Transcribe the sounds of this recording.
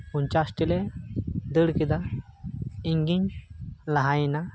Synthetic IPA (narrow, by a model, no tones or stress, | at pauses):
unt͡ɕasʈiled̪əɽkid̪a | iŋɡiɲlaɦajna